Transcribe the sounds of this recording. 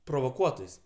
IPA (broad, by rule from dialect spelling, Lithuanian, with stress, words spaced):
proːʋoːˈkuɔtoːjsʲ